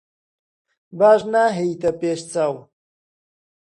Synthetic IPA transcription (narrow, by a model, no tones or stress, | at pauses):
baːʒnaːɦejt̪ɐpeːʃt͡saw